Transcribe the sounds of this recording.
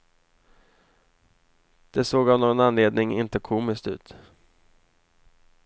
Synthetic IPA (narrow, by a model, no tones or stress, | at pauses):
d̪̥ɛsoːɡavnoːɡɔnanleːd̪nɪŋɪnt̪əkʰuːmɪsk̚t̪ʉ̟̰ːt̪